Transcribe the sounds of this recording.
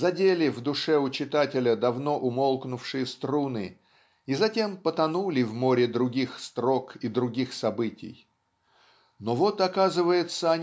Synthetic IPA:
zɐdʲelʲɪvd̪ʊʂɛʊt͡ɕɪt̪atʲɪlʲəd̪ɐvno̞ʔʊmo̞lˠknʊfʂɨjəst̪ɾunɨ | izɐtʲe̞mpət̪ɐnulʲɪvmo̞ɾʲɪd̪ɾʊɡʲixst̪ɾo̞kid̪ɾʊɡʲixsɐbɨtʲɪ̰j | no̞vo̞t̪ɐkazɨvəjɪt̪səɐnʲ

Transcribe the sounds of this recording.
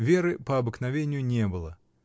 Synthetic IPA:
vʲe̞ɾɨpəɐbɨknɐvʲenʲɪjʊnʲe̞bɨlˠə

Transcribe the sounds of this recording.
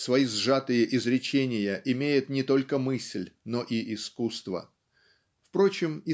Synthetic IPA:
svɐizʐat̪ɨjəʔɪzɾʲɪt͡ɕenʲɪjəʔɪmʲejɪt̪nʲɪt̪o̞lʲkəmɨsʲlʲno̞ʔiʔɪskust̪və̰ | fpɾo̞t͡ɕɪmɪ

